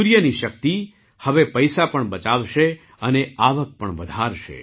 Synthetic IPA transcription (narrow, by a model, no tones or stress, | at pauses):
uɾjəniʃək̚t̪i | həʋepəjsapəɳbət͡ʃaʋʃe | əneaʋək̚pəɳʋəd̪ʱaɾʃḛ